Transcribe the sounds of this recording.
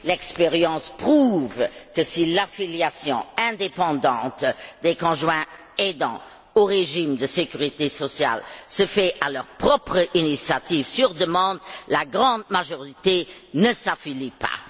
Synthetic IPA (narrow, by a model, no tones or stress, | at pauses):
lɛkspeʁjɑ̃spχuvkəsilafiljasjɔ̰̃ɛ̃d̪epɑ̃d̪ɑ̃ːt̪d̪ekɔ̃ʒwɛ̃ | ed̪ɑ̰̃ | oʁeʒimd̪əsekyʁit̪esɔsja̰lsəfɛʔalœʁpχɔpχəʔinisjat̪ivsyʁd̪əmɑ̃ːd̪laɡʁɑ̃d̪̚maʒɔʁit̪e | nəsafilipa̰